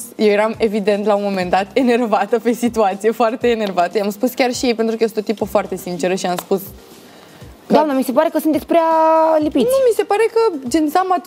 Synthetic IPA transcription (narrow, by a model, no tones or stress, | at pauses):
jewje̞ɾame̞vid̪e̞nt̪lauonmo̞me̞nd̪at̪ene̞rvat̪əpe̞sit̪uat̪sije̞foart̪e̞ːne̞rvat̪əjamspuskʲarʃijejpe̞nt̪ɾukəjesnt̪ot̪ipəfoart̪e̞sint͡ʃe̞ɾəʃiamspus | d̪oamnəmise̞paɾekəsɨnt̪et̪ʲpɾealipitnʲumise̞paɾe̞kəd͡ʒent̪sama